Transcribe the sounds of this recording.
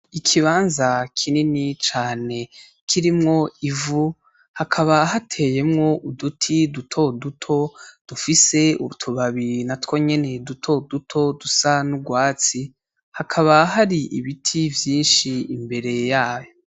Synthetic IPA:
ikʰiβaːnzakʰininit͡ʃaːne̞ | kʰiɾimŋo̞ivu | hakʰaβaɦatʰe̞ːje̞mŋo̞ʔudutʰidutʰo̞dutʰo̞d̥ufise̞ṵtʰuβaβiɾinatkwo̞ɲe̞ne̞dutʰo̞dutʰo̞dusanuɡwaːt͡si | hakʰaβaɦaɾiʔiβitʰivjiːnʃiimbe̞ɾe̞jaːjo

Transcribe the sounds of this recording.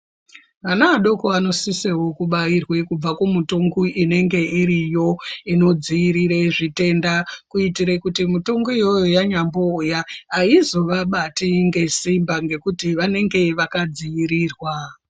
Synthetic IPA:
ʋanaːɗo̞koano̞sisewo̞kuɓairwe̞kub͡vakumutoŋɡuʔine̞ŋɡe̞iɾijo̞ino̞d͡ziiɾiɾeʐite̞ndakuitiɾekutimutoŋɡoijo̞jojaɲambo̞ːjaaizo̞ʋaɓatiŋɡe̞simbaŋɡe̞kutiʋane̞ŋɡe̞ʋakad͡ziiɾiːrwa

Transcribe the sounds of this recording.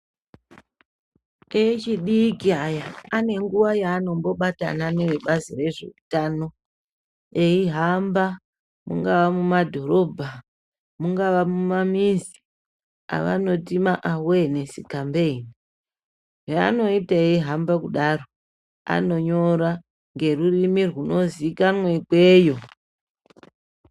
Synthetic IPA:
et͡ʃiɗikiajaane̞ŋɡuʋajaːno̞mbo̞ɓata̰nane̞ʋeɓazire̞ʐḛutaːno̞ | eiɦamba | mṵŋɡaʋamumadʱo̞ɾo̞bʱa | muŋɡaʋamumamizi̥ | a̰ʋa̰no̞timaʔawene̞sikambeini | ʐea̰no̞itaeiɦambakuɗaro̞ | a̰no̞ɲo̞ɾa | ŋɡe̞rurimirɣuno̞zikanwekwe̞ːjo̞

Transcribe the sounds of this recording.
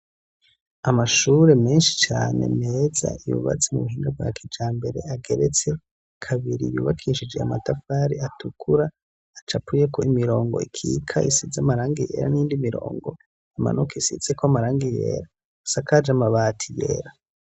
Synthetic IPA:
amaʃuɾe̞meːnʃi̥t͡ʃaːne̞̰meːza̰ijṵβa̰t͡semṵβuɦiːŋɡabwa̰kʰid͡ʒaːmbe̞ɾe̞aɡe̞ɾe̞t͡se̞ | kʰaβiɾḭjuːβakʰiʃid͡ʒe̞amatafaɾiatʰukʰuɾa | at͡ʃapuje̞koimiɾo̞ːŋɡo̞ikʰḭkʰaisizamaɾaːŋɡije̞̰ːɾa̰niiːndimiɾo̞̰ːŋɡo̞ | ama̰nʔokeisiz̥ekoamaɾaːŋɡijḛːɾa | sakad͡ʒamaβatʰijḛːɾa

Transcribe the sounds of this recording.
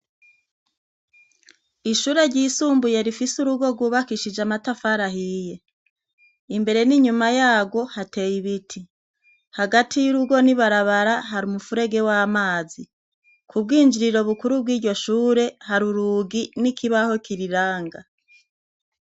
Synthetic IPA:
iʃuːɾe̞ɾɟiːsuːmbuje̞ɾifisuɾuɡo̞ɡwuβakiʃid͡ʒamatafaɾaɦije̞ | imbe̞ɾe̞niɲumajaːɡwo̞hate̞ːjiβitʰi | haɡatʰijuɾuɡo̞niβaɾaβaɾaɦaɾumufuɾe̞ɡe̞waːmaːzi | kʰub̚ɡiːnd͡ʒiɾiɾo̞βukuɾub̚ɡiːɾɟo̞ʃuːɾe̞haɾuɾuːɡinikiβaho̞kiɾiɾaːŋɡa

